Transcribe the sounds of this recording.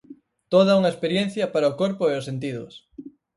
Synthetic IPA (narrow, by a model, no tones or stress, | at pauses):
t̪oð̞auŋaespeɾjen̟θjapaɾaokoɾpoeosent̪̬iðos